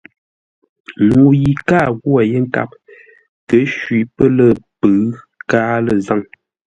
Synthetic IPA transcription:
ŋu˨ji˨kaː˦˨ɣwa˨je˦ŋ̩˦ka̰˦˨p̚ | tə˨˦ʃwi˨pə˦lə˦pə˨˦ | kaː˦lə˨za˦˨ŋ

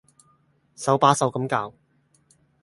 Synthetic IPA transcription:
sɐ˨˥wpaː˨˥sɐ˨˥wkɐ˨˥mkaː˧w

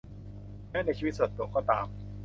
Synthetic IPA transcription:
nɛ˥˩n˧˩t͡ɕʰiː˧˦t̪̚so˨˩t̪̚ːu˨˩əkɔː˥˩t̪aː˨˩m

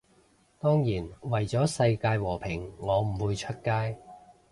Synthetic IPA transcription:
t̪ɔː˥ŋjiː˨˩nwɐ˨˩jt͡sɔː˨˥sɐ˧jkaː˧jwɔː˨˩pʰɪ˨˩ŋŋɔː˨˧m̩˨˩wuː˨˧jt͡ʃʰɵ˥t̚kaː˥j

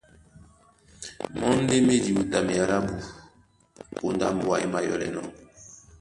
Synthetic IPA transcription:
mɔ˦n˦de˦me˦di˨u˨ta˨me˨ja˦ɾa˦bu˨ | ko˨nda̰˦m˦wa˨i˦ma˨jɔ̰˨lɛ̰˨nɔ˨

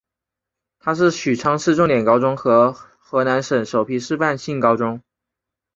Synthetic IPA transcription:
t̪ʰa˥ʂ̬ɻ̩˥˩ɕy˨˩ʈ͡ʂʰɑ˥ŋʂɻ̩˥˧ʈ͡ʂʊ˥˩ŋt̪jɛ˨˩nkɑ˥ʊʈ͡ʂʊ˥ŋxɤ˧˥ | xɤ˧˥na˧˥nʂə˨˩nʂo˨˩ʊpʰi˥ʂɻ̩˥˧pa˥˧nɕi˥˩ŋkɑ˥ʊʈ͡ʂʊ˥ŋ

